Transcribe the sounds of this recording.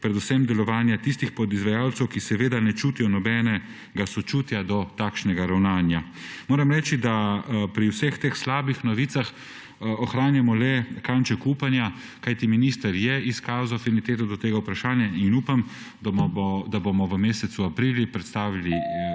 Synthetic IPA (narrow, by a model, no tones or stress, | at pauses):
pɾɛd̪usɛmd̪ɛlɔʋaːnjat̪ist̪ixpɔd̪izʋajaːwt̪sɛwkisɛʋeːd̪anɛt͡ʃuːt̪ijɔnɔbɛːnɛ | ɡasɔt͡ʃuːt̪jad̪ɔt̪aːkʃnɛɡaɾawnaːnja | moːɾɛmɾɛːt͡ʃid̪apɾiwsext̪eːxslaːbixnɔʋiːt̪sax | ɔxɾaːnjamɔlɛkant͡ʃɛkuːpanja | kajt̪iminist̪əɾjɛiskaːzoafinit̪eːt̪ɔd̪ɔt̪eːɡaupɾaʃaːnjainuːpam | d̪d̪abomɔʋəmeːsɛt̪suapɾiːljipɾɛt̪st̪aːʋili